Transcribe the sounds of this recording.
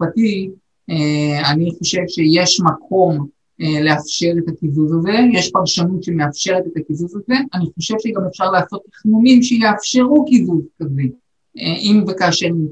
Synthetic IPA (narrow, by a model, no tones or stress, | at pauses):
fati | eaniχo̞ʃe̞vʃe̞je̞ʃmakʰo̞m | leafʃe̞ʁet̪akivuzaze̞jeʃpaʁʃanut̪ʃemeafʃe̞ʁet̪e̞takivuzaze̞aniχo̞ʃe̞vʃeɡame̞fʃaʁlaːso̞t̪liχmumimʃejeafʃe̞ʁukivuzkaze | ʔimvekaːʃeʁni